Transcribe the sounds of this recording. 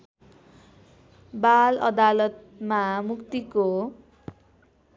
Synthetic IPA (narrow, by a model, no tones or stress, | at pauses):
balʌ̰d̪alʌt̪ | mamukt̪iko